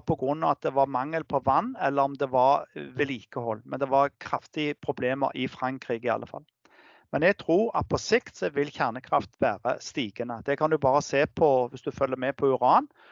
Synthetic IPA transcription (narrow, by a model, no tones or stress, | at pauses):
pʰɔɡɾʉnːɑʋɑt̪̚d̪ɛʋɑmɑŋːəlpʰɔʋɑnːɛlːəɾɔmd̪ɛʋɑɾʋɛliːkəhɔlːmɛnd̪ɛʋɑɾkʰɾɑft̪ɪəpʰɾʊbleːmə̰ɾʔɪfɾɑŋkɾiːɡɪɑ̰lːəfɑ̰lː | mɛnɛɡ̚t̪ʰɾuːɾɑ̰t̪̚pʰɔsɪkt̪sɔʋɪlçæʁnəkʰɾɑft̪ʋæːɾə̰st̪iːɡənəd̪̥ɛkʰɑnd̪ʉbɑːɾəseːpʰɔʋɪsd̪ʉfœlːəmɛpʰɔʏɾɑːn